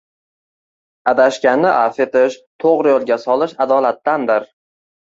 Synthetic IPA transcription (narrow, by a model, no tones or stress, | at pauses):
ad̪aʃkʲanːɪʔafet̪ɪʃt̪ʰoʁɾɪjolˠɡʲasɒlˠɪʃad̪ɒlat̪ːand̪ɪɾ